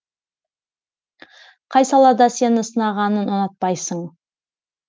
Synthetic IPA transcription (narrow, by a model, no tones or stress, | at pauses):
qʰɑjsɑlˠɑd̪ɑse̞nɪsənɑʁɑnənʊnət̪̚pɑjsəɴ